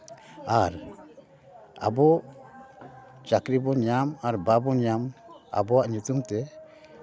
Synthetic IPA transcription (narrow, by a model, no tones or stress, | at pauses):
aɾ | a̰bɔ | t͡ʃakɾibɔɲamaɾbabɔɲama̰bɔaʔɲut̪umt̪ɛ